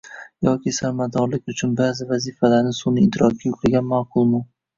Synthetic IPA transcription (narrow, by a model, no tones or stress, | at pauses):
jɒkʲisaɾmat̪ːɒɾlɪkʲʊt͡ʃʰʊnbaːzɪvazifalaɾnɪsʊnɪɪt̪ʰɪɾɒk̚kʲʰajʊkʲɾɪɡʲanmaːqʰʊlˠmʊ